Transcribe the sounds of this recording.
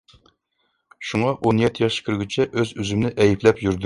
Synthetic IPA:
ʃuŋɑʔonjɛt̪ʰːijɑʃkʲʰyɾɡʲyt͡ʃʰɛʔøzyzymnɪʔɛjiplɛpjyɾd̪

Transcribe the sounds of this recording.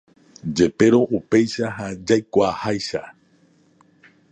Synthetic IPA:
d͡ʒe̞pe̞ɾo̞ʔupe̞jʃaɦad͡ʒajkʷaːhajʃa̰

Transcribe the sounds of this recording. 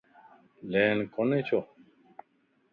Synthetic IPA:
leːnkonet͡ɕʰo

